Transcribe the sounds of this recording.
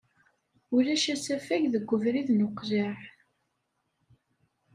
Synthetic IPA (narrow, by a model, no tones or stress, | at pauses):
ʊlæʃæsæfæʝðəɡʷːəvɾiðnʊqːzaħ